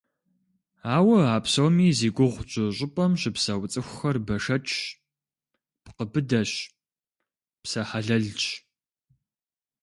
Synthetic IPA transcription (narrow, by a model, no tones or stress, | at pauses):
aːwɐaːpsowmiːziːɡʷʊʁʷt͡ʃʼʊɕʷʼʊpʼɐmɕɪpsɐwt͡sʼɨxʷʊxɐrbɐʂɐt͡ʃʼ | pqəbɨdɐɕ | psɐħaɮɐɮt͡ʃʼ